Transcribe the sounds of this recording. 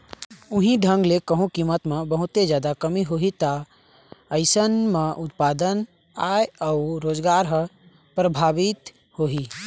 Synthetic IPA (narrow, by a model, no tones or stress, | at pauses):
ʊɦĩɖʱə̃ŋɡlekəɦũkimət̪mebəɦʊt̪ed͡ʒjaːd̪akəmiɦoɦit̪a | əɪsənmẽʔʊt̪paːd̪ən | aeauɾoːd͡ʒɡaɾɦə | pɾəbʱabit̪ | hoɦi